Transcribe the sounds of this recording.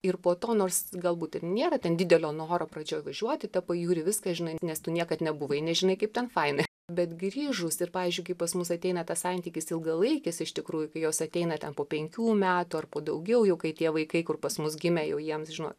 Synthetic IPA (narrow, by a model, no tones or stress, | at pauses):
ɪrpoːt̪oːnoːrsɡɐlˠbuːt̪ɪrnʲeːɾɐt̪ʲɛndʲɪdʲɛlʲoːnoːɾoːprɐd͡ʒʲoːʋɐʒʲuɔt̪ʲɪt̪ɐpɐjuːɾʲɪʋʲɪskɐʒʲɪnɐɪnʲɛst̪ʊnʲiɛkɐt̪nʲɛbʊʋɐɪnʲɛʒʲɪnɐɪkɐɪp̚t̪ʲɛnfɐɪnɐ | bʲɛt̪ɡɾʲiːʒʊsɪrpɑːʋʲɪːzʲd͡ʒʲʊɪkɐɪpɐsmʊsɐt̪ʲɛɪnɐt̪ɐssɑnʲt̪ʲiːkʲɪsɪlˠɡɐlˠɐɪkʲɪsɪʃt̪ʲɪkɾuːjʊkɐɪjoːsɐt̪ʲɛɪnɐtʲɛnpoːpʲɛŋʲkʲuːmʲæːt̪ʊɐrpoːd̪ɐʊɡʲɛʊjɛʊkɐɪtʲiɛʋɐɪkɐɪkʊrpɐsmʊsɡʲɪmʲɛjɛʊjiɛmsʒʲɪnoɔːtt